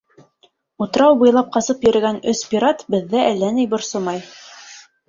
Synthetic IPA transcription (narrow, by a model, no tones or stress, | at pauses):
ut̪̆ɾɑwbɤ̆jlˠɑp̚qɑsɤpjɵ̆ɾɘ̆ɡænɵspʲiɾat̪bɘ̆ðːæʔælːænɘjbŏɾsomɑj